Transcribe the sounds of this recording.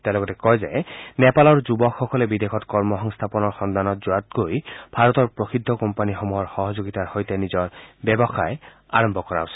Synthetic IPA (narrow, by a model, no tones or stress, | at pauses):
t̪elɔɡɔt̪ekɔjza̰jnepalɔɹd͡ʒubɔxɔkɔlebid̪ekʰɔt̪kɔɹmɔɦɔŋst̪ʰapɔnɔɹxɔnd̪anɔt̪̚d͡ʒuat̪̚ɡojb̥ʱaɾɔt̪ɔɹpɾoxid̪ʱːɔkɔmpanixɔmuɦɔɹxɔɦɔd͡ʒoɡit̪aɹhojt̪enizɔɹbebɔxae | a̰ɹɔmbʱɔkɔɾa̰wsʰi